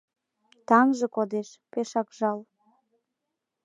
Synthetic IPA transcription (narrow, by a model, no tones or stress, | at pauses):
t̪ɑŋʒɤ̆kod̪eʃpeʃɑkʒɑl